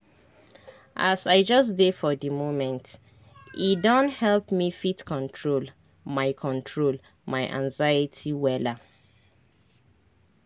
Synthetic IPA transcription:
ʔasaɪd͡ʒʌs̬defɔðimomɛ̃nt | idɔ̃nthɛlpmifitkʰɔ̃ntʰɹol | maɪkʰɔ̃ntʰɹol | maɪʔã̰ŋzajitʰiwɛla

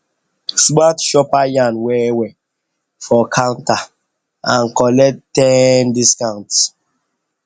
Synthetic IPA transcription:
sɡ͡batʃɔpajãnwɛwɛ | fɔkʰãnta | ãnkɔlɛtːɛndiskãʊ̃nts

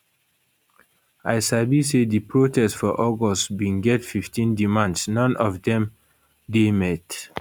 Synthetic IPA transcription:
aɪsabisedipɹotʰɛstfɔʔɔɡɔsbĩnɡɛtfiftʰĩndimãndsnɔ̃nɔfdɛ̃m | demɛt

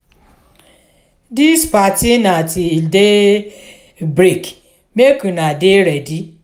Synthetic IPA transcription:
dispatinatide | bɾik | mekunadeɾedi

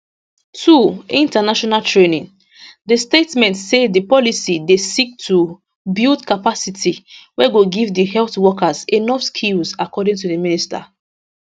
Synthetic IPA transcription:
tʰuĩntanaʃɔnaltɹenĩŋ | dəstetmɛ̃ntsedəpɔlisidesik̚tʰu | bildkapasitʰiwɛɡoɡivdiɦɛlθwɔkazenɔfskʰilzakɔdɪ̃ŋtudəminista̰

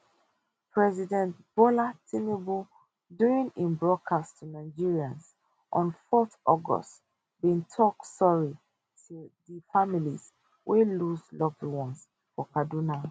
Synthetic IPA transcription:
pʰɹɛzidɛ̃ntb̥ɔlatʰimibu | duɹĩŋĩnbɹɔd̚kʰastʰunaɪd͡ʒiɹiãns | ʔɔ̃nfɔθɔɡɔ̰st | bĩntʰɔksɔɹi | tʰuðəfamilḭz | wʔeluzlɔbwɔ̃ns | fɔkaduna

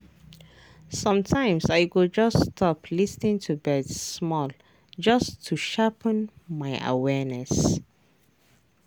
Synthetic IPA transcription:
sʌ̃mtʰãɪ̃msajɡod͡ʒʌstʰɔpʰlisnĩŋtʰubɛdsmɔl | d͡ʒʌstʰuʃapʰə̃nmaɪə̰wɛnɛs

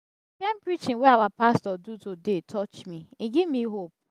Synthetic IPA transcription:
kɛ̃mpɹit͡ʃɪ̃nweawapastɔdutodetʰɔt͡ʃmiiɡivmiɦop̚

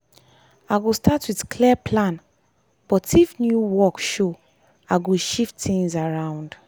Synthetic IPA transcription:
aɪɡostʰatwiðkʰliəpʰlãn | b̥ɔtʰifnjuwɔkʃo | aɡoʃiftθĩŋzaɹãʊ̃nd̥

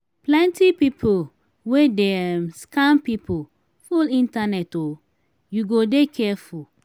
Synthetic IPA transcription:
plɛ̃ntipipʰo | wedɛmskãmpipʰo | fulĩntanɛto | juɡodekʰɛful

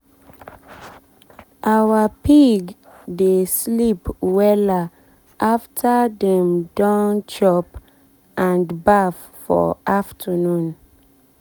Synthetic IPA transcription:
ʔawapiɡ | deslipwɛla | ʔaftʰadɛ̃mdãnt͡ʃɔp | ʔãndbaf | fɔ̰ʔaftʰənũn

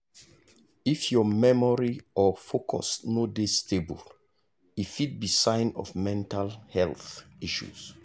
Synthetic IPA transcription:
ifjɔmɛmɔɹiʔɔfokʰɔ̰snodestʰebṵl | ifit̚bisãɪ̃nɔ̰vmɛ̃ntalhɛlθiʃṵz̥

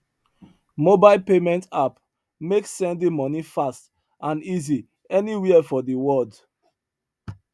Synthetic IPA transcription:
mobaɪlpemɛ̃ntap | meksːɛ̃ndĩmɔnifast | ʔãnizi | ɛniwiɛfɔdiwɔld

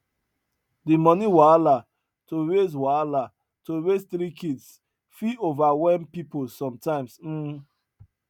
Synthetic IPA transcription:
dimɔniwala | toɾeswala | toɾesθɾikids | fiovawɛmpipolsɔ̃mtãɪ̃msm̩

